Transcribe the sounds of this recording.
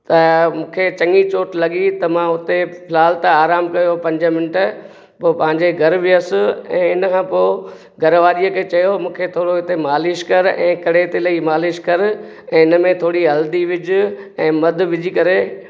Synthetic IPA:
t̪ɐmũːkʰet͡ɕɐ̃ŋit͡ɕoːʈlɐɠit̪ɐmãʊt̪epʰɪlaːlt̪aaːɾaːmkɐjopɐ̃ɲd͡ʑəmɪnʈ | poːpɐ̃ɦɪ̃ɲd͡ʑeɡʱɐɾʋɪəsʊɛ̰̃ːɪnkʰãːpo | ɡɐɾʋaːɾijəkʰeːt͡ɕɐjomũːkʰet̪ʰoːɽoɪt̪emaːlɪʃkɐɾɛ̰̃ːkɐɽet̪elɐimaːlɪʃkɐɾ | ɛ̃ːɪnəmẽt̪ʰoːɽiɦɐld̪iʋɪd͡ʑʊɛ̃ːmɐd̪ʱʊ̆ʋɪd͡ʑikɐɾe

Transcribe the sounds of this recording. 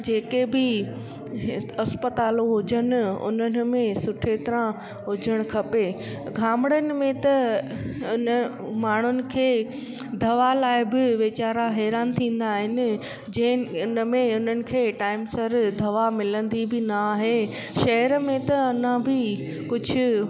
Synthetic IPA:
d͡ʑeːkebɪ | ɐspət̪aːloɦʊd͡ʑənʊ̆ʊ̰nənɪ̆mẽsʊʈʰeːt̪ɾã | ɦʊd͡ʑʱəɽ̃kʰɐpe | ɡʱaːmɪɽənɪ̆mẽt̪ɐ | ʊnə | maːɳ̤ʊnɪ̆kʰeː | d̪ʱɐʋalaːɪbɪʋet͡ɕaːɾaɦɛːɾaːnt̪ʰĩːn̆d̪aːɦɪnɪ̆ | d͡ʑɐ̃ɦɪʊnəmẽʊn̤ənɪ̆kʰeːʈaːɪmsɐɾd̪ʱɐʋamɪlə̃nd̪ibɪnaːɦe | ʃɐɦəɾəmẽt̪ɐɐnãbɪ | kʊd͡ʑʱʊ̆

